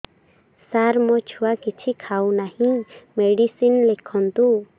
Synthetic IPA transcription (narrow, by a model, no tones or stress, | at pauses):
saɾmɔt͡ʃʰuwakit͡ʃʰikʰawnahĩmeɖisinlɛkʰɔnt̪u